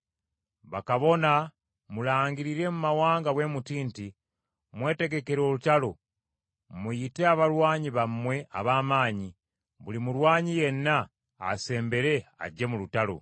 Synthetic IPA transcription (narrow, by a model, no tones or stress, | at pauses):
βakaβo̞na | mulaːŋɡiɾiɾe̞mumawaːŋɡaɡwe̞mutiːnti | mwe̞ːte̞ɡe̞ke̞ɾo̞ːlutalo̞ | mujite̞aβaɾwaːɲiβamːwe̞a̰βaːmaːɲi | βulimulwaːɲije̞nːa̰ː | se̞ːmbe̞ɾe̞a̰ɟːe̞mulutalo̞̰